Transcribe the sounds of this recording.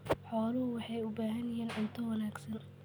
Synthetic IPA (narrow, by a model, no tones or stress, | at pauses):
ħɔːlɐɦʊwɑħɑjʊbaːɦɐnjɐjiːnʔɪnt̪ʰɐwɐnaːɡsɐn